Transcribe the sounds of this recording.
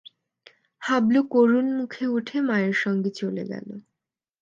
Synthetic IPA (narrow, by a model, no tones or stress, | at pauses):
hablukoɾunmukʰeuʈʰemaeɾʃɔŋɡet͡ɕolḛɡɛ̰lo̰